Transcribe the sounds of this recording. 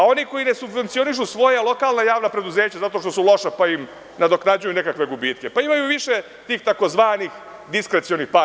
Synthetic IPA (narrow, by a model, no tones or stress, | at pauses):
ao̞niko̞jinesubʋe̞nt̪sio̞niʃ̬usʋo̞jalˠo̞kaːlˠnajaːʋnapɾe̞d̪uzeːt͡ɕazat̪o̞ʃt̪o̞sulˠo̞ʃapaim | nad̪o̞knad͡ʑujunekakʋe̞ɡubiːt̪̚ke̞paimajuʋiʃe | t̪iːxt̪ako̞zʋaːnix | d̪iskɾet̪sionixpa